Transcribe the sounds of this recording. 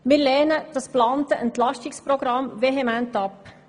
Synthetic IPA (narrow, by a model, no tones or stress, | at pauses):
mɪːɾlɛːnəd̥ɑsplɑːntəʔɛntlɑʃtɪkspɾɔɡɾɑmveɦɛmæntɑpː